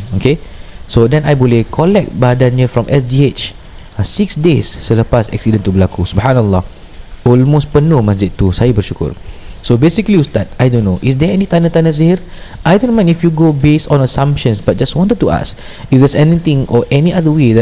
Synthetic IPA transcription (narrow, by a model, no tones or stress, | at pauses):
okesodɛ̃najbolekʰɔlɛk̚t̚badanjəfɹɔ̃mʔɛsdiet͡ʃ | asiksdesːələpasɛ̰k̚sidə̃nt̪ubəlakusubhanalːah | ɔlmos̚pənomas̬d͡ʒɪd̪̚t̪usajəbərʃukʊ̰rsobesikliust̪at̚ajdõnːoʔisdɛɛnit̪anə̃t̪anə̃s̬ehiɾʔajdõnmãj̃nifjuɡobestɔ̃nəsãmpʃə̃nsbat̚d͡ʒaswɔ̃ntət̚tːua̰s | ifdɛsɛnit̪ĩŋɔʔɛniʔadəwedɛ